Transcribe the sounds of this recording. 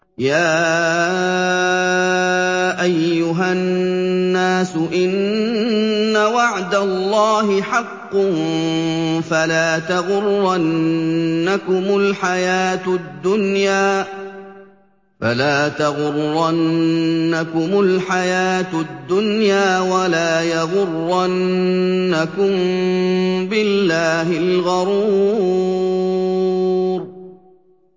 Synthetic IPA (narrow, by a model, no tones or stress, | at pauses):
jaː | ʔajːʊɦannːaːsʊʔɪnː | awaʕd̪alːɑːɦɪħɑqːʊn | falaːt̪aɣʊɾɾanː | akʊmʊlħajaːt̪d̪ːʊnjaː | fa̰laːt̪aɣʊɾːanːakʊmʊlħajaːt̪d̪ːʊnjaːwalaːjɑɣʊrːanː | akʊm | bɪlːaːɦɪlɣɑɾuː | ɾ